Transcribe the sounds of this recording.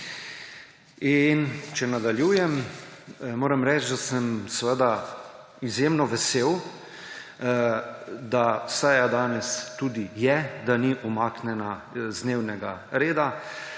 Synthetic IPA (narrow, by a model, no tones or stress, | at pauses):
int͡ʃɛnad̪aljuːjɛm | moːɾɛmɾɛːt͡ʃd̪asəmsʋəd̪a | izjemnɔʋɛseːw | d̪asɛjad̪aːnɛst̪ud̪ijɛd̪aniʔumaːknɛnazd̪neːwnɛɡa̰ɾeːd̪a